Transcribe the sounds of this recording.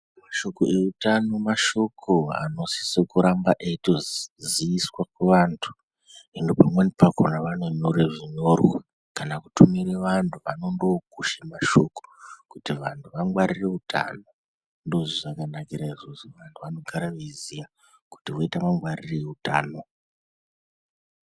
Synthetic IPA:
maʃo̞koʔe̞utano̞maʃo̞kʰo̞a̰no̞si̥sekuɾambaʔeitozziiswakweʋaːntʰu̥ | endopamwenipako̰naʋanenoɾeʐiɲo̞rwa | kanakutumiɾeʋantʰuʋano̞ndo̞kuʃemaʃo̞ko̥kutiʋantʰuʋaŋɡwaɾire̞utʰa̰no̞ | ndo̞ʐiʐakanakiɾaiʐo̞zoʋantʰuʋano̞ɡʱaɾaʋizija | ku̥tiʋoitamaŋɡwarireuta̰ːno̞

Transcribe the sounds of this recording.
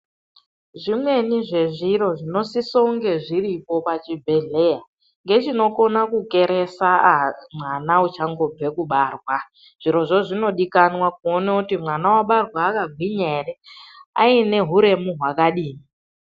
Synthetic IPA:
ʐimwe̞niʐe̞ʐiɾo̞ʐino̞sisouŋɡe̞ʐiɾipo̞pat͡ʃibʱe̞ɮe̞ja | ŋɡe̞t͡ʃino̞ko̞nakuke̞ɾe̞samwanaut͡ʃaŋɡo̞b͡ve̞kuɓaːrwa | ʐ̥iɾo̞ʐo̞ʐino̞ɗikanwakuonautimwanawaɓarwaːkaɡʱwiɲe̞rea̰ine̞ɦuɾe̞muɦwakaɗiːmi

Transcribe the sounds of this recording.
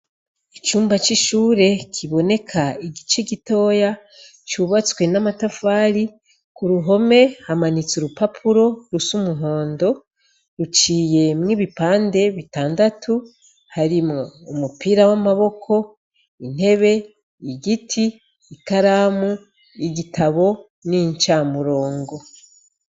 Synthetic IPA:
it͡ʃuːmbat͡ʃiʃuːɾe̞kʰiβo̞ne̞kʰaiɡit͡ʃeɡito̞ːja | t͡ʃuβat͡swe̞namatafaːɾi | kuɾuɦo̞me̞hamanit͡suɾupapʰuɾo̞ɾusumuɦo̞ːndo̞ | ɾut͡ʃiːje̞mŋiβipaːnde̞βitaːndatʰu | haɾimoumupiːɾawamaβo̞kʰo̞ | in̥e̞βe̞ | iɡitʰiː | kaɾamu | iɡitʰaβo̞ | niɲt͡ʃaːmuɾo̞ːŋɡo̞

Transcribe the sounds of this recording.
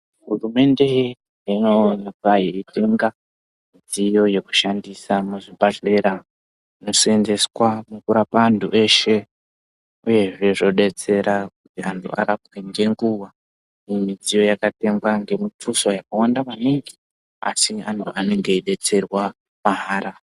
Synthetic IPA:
ɦurume̞nde̞ | inonakajeitʰe̞ŋɡa | mid͡zijo̞je̞ku̥ʃandisamuʐibaɮe̞ɾa | ino̞sende̞swamukuɾapaːntʰuʔe̞ʃe̞ | uje̞ʐe̞ʐo̞ɗe̞t͡se̞ɾakutiantʰṵa̰kakwiŋɡe̞ŋɡuwa | imid͡zijo̞jakate̞ŋɡwaŋɡe̞mutʰuso̞jakawandaʋaneŋɡe | a̰siantʰuane̞ŋɡe̞iɗe̞t͡se̞rwa | maɦaːɾa

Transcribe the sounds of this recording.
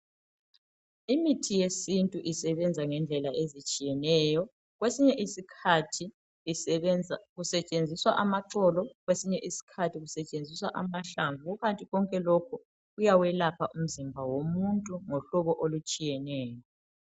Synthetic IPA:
imitʰijesintʼuʔisɛβɛnd͡zʱaŋɛnd͡ɮʱɛlaezit͡ʃʼijɛnɛːjɔ | ɣwesiɲɛʔisikʰatʰi | ɣusɛt͡ʃʼend͡zʱiswaʔamaǀɔlɔɣwesiɲɛʔisi̥kʰatʰiɣusɛt͡ʃʼend͡zʱiswaʔamaɬaɱvuuɣantʼiɣɔŋkʼɛlokʰu | ɣujawɛlapʰaʔum̩zimbʱawomuntʼuŋoɬɔβɔʔolut͡ʃʼijɛnɛːjɔ

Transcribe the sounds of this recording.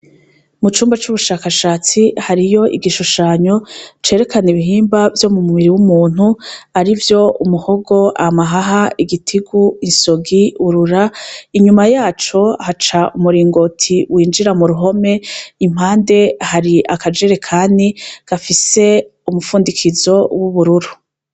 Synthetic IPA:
mut͡ʃuːmbat͡ʃuβuʃaːkaʃaːt͡sihaɾijo̞ʔiɡiʃuʃaːɲo̞t͡ʃe̞ɾe̞kaniβiɦiːmbavjo̞mumuβiɾiwumuːn̥huaɾivjo̞umuho̞ɡo̞ʔamaɦaɦaiɡitʰiɡuinso̞ɡiuɾuɾaiɲumajaːt͡ʃo̞hat͡ʃaʔumuɾiːŋɡo̞tʰiwʔiːnd͡ʒiɾamuɾuɦo̞me̞im̥haːnde̞haɾiʔakad͡ʒeɾe̞kʰaːndiɡ̥afise̞umufuːndikʰizo̞wuβuɾuɾu

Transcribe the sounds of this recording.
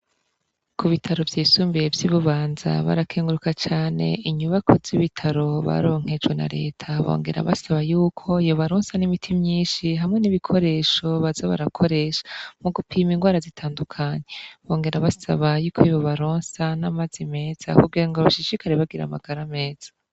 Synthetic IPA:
kʰuβitʰaɾo̞vjiːsuːmbievjiβuβaːnza̰βa̰ɾakʰeːŋɡuɾukat͡ʃaːne̞̰iɲuβakʰo̞z̥iβitʰaɾo̞βa̰ɾo̞ːŋ̥he̞d͡ʒwena̰ɾe̞̰ːtʰaβo̰ːŋɡe̞̰ɾa̰βasaβajuːkʰo̞ijoβaɾoːnsanimitʰimɲiːnʃiɦamŋe̞niβikʰo̞ɾe̞ːʃo̞βazaβa̰ɾakʰo̞ɾe̞ːʃḁmuɡupʰiːmiŋɡwaːɾazitʰaːndukʰaɲe̞βo̞ːŋɡe̞ɾaβasa̰βajuːkʰoiβoβaɾoːnsanamazime̞ːz̥a̰kuɡiɾaŋɡoβaʃiʃikaɾeβaɡiɾa̰ma̰ɡ̥aɾame̞ːz̥ḁ

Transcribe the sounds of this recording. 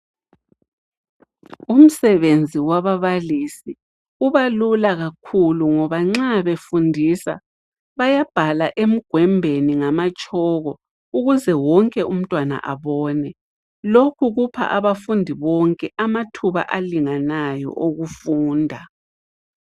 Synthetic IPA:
um̩sɛβend͡zʱiwaβaβalisi | uβalulaɣakʰuluŋɔβaŋ͡ǁaβefundʱisa̰ | βajab̥ʱalaʔem̩ɡ̥ʱwɛmbʱeniŋamat͡ʃʼɔɣɔ | uɣuzɛwɔŋkʼɛum̩tʼwana̰ʔa̰βɔːnɛ | lokʰuɣupʰa̰ʔaβafundʱiβɔŋkʼɛʔamatʰuβa̰ʔaliŋanajɔ̰ʔoɣufuːndʱa

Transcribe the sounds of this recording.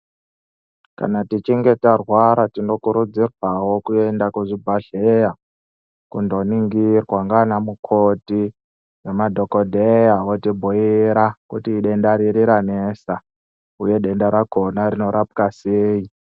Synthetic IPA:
ka̰natit͡ʃiŋɡe̞tarwaɾatino̞kuɾud͡zirwawo̞kue̞ndakuʐibʱaɮeja | kundo̞niŋɡirwaŋɡanamukʰoti | jemadʱo̞ko̞dʱejaotibʱuiɾakutiːɗe̞ndaɾiɾiɾanesa | uje̞ɗe̞ndaɾaɡʰʱo̞naɾino̞ɾapkaseːi

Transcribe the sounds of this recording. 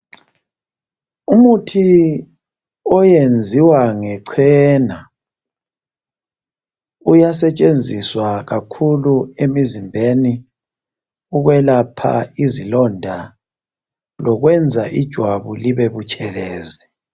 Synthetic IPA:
umutʰi | ɔjend͡zʱiwaŋɛǀʰɛna | ujasɛt͡ʃʼend͡zʱiswaɣakʰuluemizimbʱeni | uɣwɛlapʰa̰izilɔndʱa | lɔɣwɛnd͡zʱaʔid̥ʒ̥ʱwaβuliβeβut͡ʃʼɛlɛːzi

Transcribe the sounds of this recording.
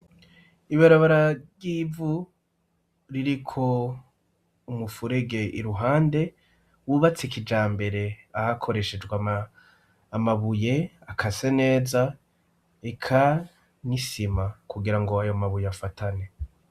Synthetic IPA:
iβaɾaβaɾaɾɟivu | ɾiɾikʰo̞ | umufuɾe̞ɡe̞ʔiɾuɦaːnde̞ | wuβat͡sekid͡ʒaːmbe̞ɾe̞ahakʰo̞ɾe̞ʃe̞d͡ʒɡwa | maβuje̞akʰasene̞ːza | ekʰa | nisimakuɡiɾaŋɡo̞ajo̞maβujeafatʰane̞

